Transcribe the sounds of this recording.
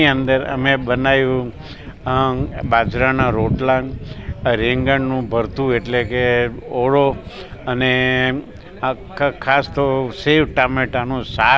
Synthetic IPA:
iənd̪əɾə̰mebənajũ | bad͡ʒɾanãɾoʈlãŋɡɾeŋɡəɳnũbʱəɾt̪ueʈlekeoɽo | əne | kʰkʰast̪oseʋʈameʈanũsa

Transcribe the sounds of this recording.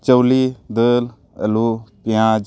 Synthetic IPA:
t͡ʃəwliːd̪əl | ə̰lupɪjãːd͡ʒ

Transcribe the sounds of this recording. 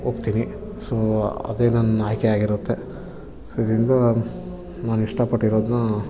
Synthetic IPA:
oːpt̪iːni | soɐ̰d̪e̞ːnɐnːɐaːjkeaːɡiɾut̪ːe̞ | soːid̪ɐɾind̪ɐ | naːniʂʈɐpɐʈːiɾo̞ːd̪nɐ

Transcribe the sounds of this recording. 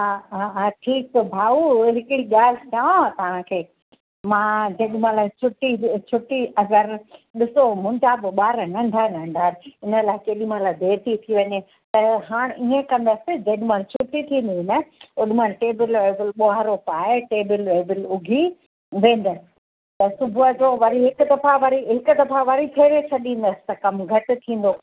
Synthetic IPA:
ɦaːaɦʈʰiːk̚bʱaːuɦɪkɪɽiɠaːl̤ɪt̪ʰjãːt̪ɐʋ̤ãkʰeː | mãːd͡ʑɐɗmãlaːɪt͡ɕʰʊʈit͡ɕʰʊʈiʔɐɡəɾɗɪsomʊ̃ɲd͡ʑaːbɪɓaːɾnɐ̃ɳɖʱanɐ̃ɳɖʱaːɾɪnəlaːɪkeːɗimãlaːɪd̪ʱeːt̪ʰit̪ʰiʋɐɲe | t̪ɐɦaːɽ̃ʔiẽkɐ̃nd̪ɐsɪd͡ʑɐɗɪmãːlt͡ɕʰʊʊʈːit̪ʰĩːn̆d̪inɐʊɗɪmãlʈeːbɪleːbɪlɓoɦɾopaːɪʈeːbɪleːbɪlʊɡʱi | ʋẽːnd̪əsɪ | t̪ɐsʊbʱuəd͡ʑoʋɐɾiɦɪkʊd̪ɐfaʋɐɾiɦɪkʊd̪ɐfaʋɐɾit̪ʰeːɾet͡ɕʰɐɗĩːn̆d̪ɐsɪ̥t̪ɐkɐmɡʱɐʈɪ̆t̪ʰĩːn̆d̪oː

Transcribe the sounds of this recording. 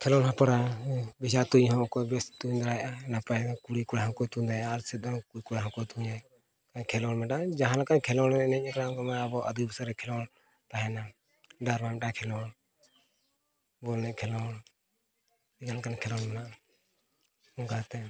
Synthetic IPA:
kʰɛlɔnɦapaɾabisat̪uɲɦɔ̃kɔbɛst̪uɲd̪aɾajʔanapajkuɽikuɽaɦɔ̃kɔjt̪ud̪ajʔaɾsɛt̪̚d̪ɔkukuɽaɦɔ̃kɔjt̪uɲa | kakʰɛlɔnmɛɖad͡ʒaɦãlakankʰɛlɔnɛnɛc̚ˀakaɾaɡɔmaabɔʔad̪ibsaɾɛkʰɛlɔn | t̪aɦɛna | ɖaɾmamɛʈakʰɛlɔn | bɔlnɛkʰɛlɔn | iɡankankʰɛlɔnmɛnaʔa | ɔɡat̪ɛ

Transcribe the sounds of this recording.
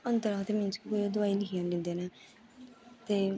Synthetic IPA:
ənt̪əɾãːt̪emɪ̃nt͡ʃkikoːiod̪ʊaːilɪkʰijãːndɪ̃nd̪eːneː | t̪eː

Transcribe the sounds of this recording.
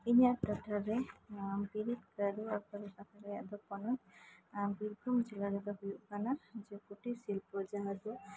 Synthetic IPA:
iɲaʈaʈaɾɛbiɾit̪kaɾuakaɾɔsak̪ʰaɾajaʔd̪ɔɔnɔjmbiɾɡumd͡ʒɛlaɾɛd̪ɔɦujuʔkanaɾd͡ʒɛkuʈisilpɔd͡ʒaɦad̪ɔ

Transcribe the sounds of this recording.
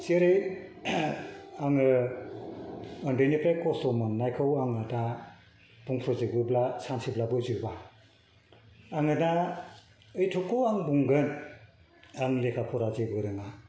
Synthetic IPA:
siɾɯj | aŋɯ | ɔndenipɾekɔsɔmɯŋnajkʰɯwaŋada | b̥uŋpʰɾɔzek̚bɯblasansiblabɯzɯba | aŋɯna | ɯjtʰɔkʰːɯwaŋbuŋɡɯn | aŋlekʰapʰɔɾazebɯɾɯŋa

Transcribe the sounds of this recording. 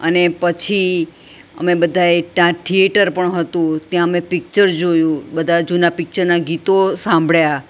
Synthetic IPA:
ənepət͡ʃʰi | ə̰mebəd̪ʱaeʈãʈʰieʈəɾpəɳɦət̪ũt̪jãəmepɪk̚t͡ʃəɾd͡ʒojũbəd̪ʱad͡ʒunapɪk̚t͡ʃəɾnaɡit̪osãmbʱɭja

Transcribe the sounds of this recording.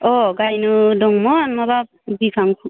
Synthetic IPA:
ɔɡajnudɔŋmɔmabap̚bikʰaŋpʰu

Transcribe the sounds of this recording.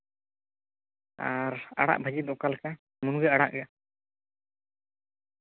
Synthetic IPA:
a̰ɾa̰ɽa̰ʔbʱəd͡ʒid̪ɔkalka | munɡɛaɽa̰ʔɡa

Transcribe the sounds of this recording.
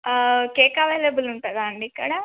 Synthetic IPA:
keːkaʋeːlebuluɳʈɐd̪aːɳɖikːɐɽa

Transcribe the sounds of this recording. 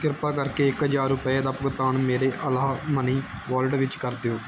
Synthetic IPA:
kɪɾpaːkəɾkeːɪkɦəd͡ʒaːɾʊpəeːd̪aːpəɡət̪aːɳmeːɾeːʔəlaːməniːʋaːlɖʋɪt͡ʃkəɾd̪eoː

